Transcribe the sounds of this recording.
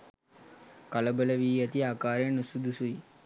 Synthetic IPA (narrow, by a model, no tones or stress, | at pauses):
kaləbələʋiːɐt̪iaːkaːɾenusud̪usui